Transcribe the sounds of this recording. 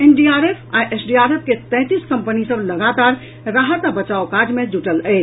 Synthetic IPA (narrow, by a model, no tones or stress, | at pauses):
enɖiaɾepʰaʔesɖiaɾep̚ʰket̪ɛ̃t̪iskəmpənisəbləɡat̪aɾ | ɾaɦət̪bət͡ʃaokaɾd͡ʒmed͡ʒuʈələɪt͡ʃʰ